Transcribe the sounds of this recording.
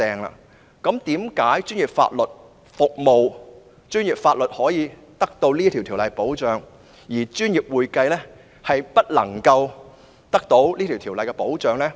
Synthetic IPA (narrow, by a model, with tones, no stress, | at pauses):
ɛː˨˧ŋla̰ː˧ | kɐ˨˥mt̪iː˨˥mkaː˨˥jt͡ʃyː˥njiː˨˩p̚fa̰ː˧t̚lɵ˨˩t̚ | fʊ˨k̚mo˨w | t͡ʃyː˥njiː˨p̚faː˧t̚lɵ˨t̚hɔː˨˥jiː˨˧ | t̪ɐ˥k̚t̪o˧wliː˥t̪ʰi˨˩wt̪ʰi˨˩wlɐ˨jpo˨˥wt͡ʃœː˨˧ŋ | jiː˨˩t͡ʃyː˥njiː˨p̚wuː˨jkɐ˧jlɛː˥ | hɐ˨jpɐ˥t̚lɐ˨˩ŋkɐ˧w | t̪ɐ˥k̚t̪o˨˥wliː˥t̪ʰi˨wt̪ʰiː˨˩wlɐ˨jkɛː˧po˨˥wt͡ʃœː˨ŋlɛː˥